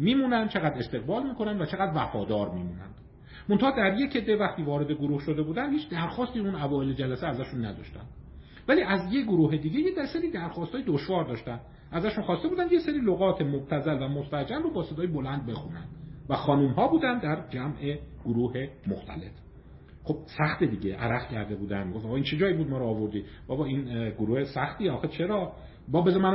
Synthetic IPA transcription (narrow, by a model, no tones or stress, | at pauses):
miːmuːnænd̪̥̚t͡ʃʰeɣæd̪e̞st̪e̞ɣbɒːlmiːkʰonænd̪væt͡ʃʰe̞ɣæd̪væfɒːd̪ɒːɾmiːmuːnæ̰nd̪̥ | mont̪ʰɑhɒːd̪æɾje̞cʰed̪ːevæxt̪iːvɒːɾe̞d̪eɡoɾuːhʃo̞d̪e̞buːd̪ænd̪hiːt͡ʃʰd̪æɾxɒːst̪iunævɒːele̞d͡ʒælæseæzæʃunːæd̪ɒ̰ʃt̪æ̰nd̪̥ | væliːʔæzjeɡoɾuːɦe̞d̪iːɟejed̪æseɾiːd̪æɾxɒːst̪hɒːjed̪oʃvɒːɾd̪ɒːʃt̪ænd̪ | ʔæzæʃunxɒːst̪e̞buːd̪ænd̪jeseɾiloɣɒːt̪ʰe̞mobt̪ʰæzælvæmost̪æd͡ʒæmrobɒːse̞d̪ɒːjebo̞lænd̪̚be̞xunæ̰nd̪̥væxɒːnumɦɒːbuːd̪ænd̪æɾd͡ʒæmʔe̞ɡ̥oɾuːhe̞moxt̪ʰæ̰le̞f | χo̞b̥̚sæxt̪ed̪iːɟe̞ʔæ̰ɾæfcʰæɾd̪e̞buːd̪æ̰nmiɡoft̪ːɣːiːnt͡ʃʰe̞d͡ʒɒːibuːd̪̚mɒːɾoːvo̞ɾd̪iː | b̥ɒbɒːiːnɡoɾuːhesæxt̪iːeɒːxet͡ʃʰe̞ɾɒː | bɒbe̞zmæn